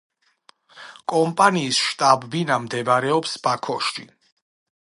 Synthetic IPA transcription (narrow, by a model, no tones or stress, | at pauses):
kʼɔmpʼaniːsʃt̪ʼabːinamd̪ɛbɾɛɔpsb̥akʰɔʃʃḭ